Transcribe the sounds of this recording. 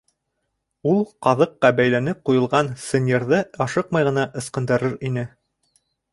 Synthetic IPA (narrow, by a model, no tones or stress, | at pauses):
ulˠqɑðɤqːɑbæjlænɘp̚qujɤ̆lˠʁɑnsɤ̆nʲerðɤɑʃɤqmɑjʁɤ̆nɑʔɤ̆sqɤ̆nd̪ɑɾɤɾinɘ